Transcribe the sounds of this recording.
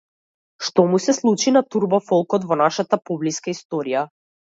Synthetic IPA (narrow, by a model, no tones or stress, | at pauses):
ʃt̪ɔmusɛslˠut͡ʃinat̪uɾbɔfɔlˠkɔt̪vɔnaʃat̪apɔbliskaist̪ɔɾija